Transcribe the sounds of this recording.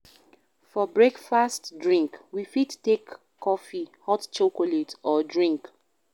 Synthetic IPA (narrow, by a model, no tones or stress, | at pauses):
fɔbɹekfastdɹĩŋkwifittːekʰː | ɔfihɔtt͡ʃokoletɔdɹĩŋk